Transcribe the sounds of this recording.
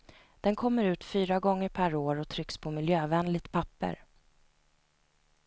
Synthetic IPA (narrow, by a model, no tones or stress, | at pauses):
d̪̥ɛnkʰɔmːəɾʉ̟ːt̪fyːɾaɡɔŋːəɾpʰæɾoːɾɔt̪ʰɾʏkspʰɔmɪljøːvɛnlɪt̪pʰapːə̰ɾ